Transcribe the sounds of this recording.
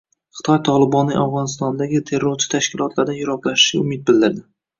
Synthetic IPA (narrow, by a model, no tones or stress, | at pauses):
χɨ̥t̪ʰɒjt̪ʰɒlˠɪbɒnːɪawʁɒnɪst̪ɒnd̪aɡʲɪt̪ʰe̞ɾːoɾt͡ʃʰɪ̥t̪ʰaʃkʲɪlˠɒt̪laɾd̪anjʊɾɒklaʃɪ̥ʃa̰ʊmɪt̪̚bɪld̪ɪɾd̪ɪ